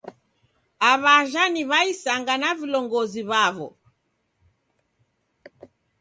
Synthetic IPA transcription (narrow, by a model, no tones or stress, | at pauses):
aβaʒaniβaisaŋɡanavilɔŋɡɔziβaβɔ̰